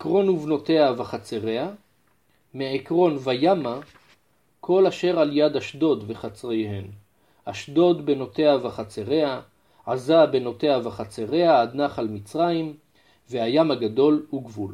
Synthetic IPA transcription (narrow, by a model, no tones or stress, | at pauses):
kʁo̞nuvno̞t̪e̞avaχat͡seʁe̞a | meekʁo̞nvajama | kʰo̞laʃe̞ʁaljad̪haʃdo̞d̪veχat͡sʁejhe̞n | aʃdo̞dbeno̞te̞avaχat͡seʁe̞a | ʕazabe̞no̞t̪e̞avaχat͡seʁe̞aːd̪naχalmit͡sʁajim | vehajamhaɡad̪o̞lhuɡvul